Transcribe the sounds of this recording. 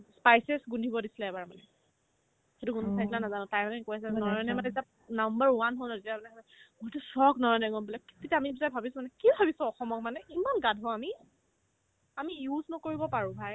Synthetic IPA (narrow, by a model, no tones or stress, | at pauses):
spajsɛsɡundʱibɔdisi̥laɛbaɹmanɛ | xetuɡunʱsʰajsilanazanɔ̃tajmanɛkojas̬ɛanɔɹnɛmatɛzita | nambəɹwanɦolnɔtetiamanɛkɔɛɡɔtusɔɡnɔɹɔnɛɡɔnbilɛktitamibisabʱabisʊ̃manɛkiɔbʱabisɔ̃ɔxɔmɔk̚manɛʔimanɡadʱɔami | amijuznɔkoɹibɔpaɹũbʱaj